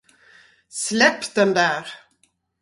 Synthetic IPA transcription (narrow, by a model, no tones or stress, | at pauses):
slɛpːd̪ɛnd̪æːɾ